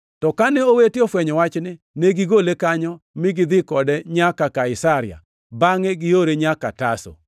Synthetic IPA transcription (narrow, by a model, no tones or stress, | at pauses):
tɔkanɛowetɪofwɛɲɔwat͡ʃnɪ | neɡɪɡolekaɲɔ | mɪɡɪd̪ɪkɔdɛɲakakaɪsaɾɪa̰ | baŋeɡɪoɾeɲaka̰taso̰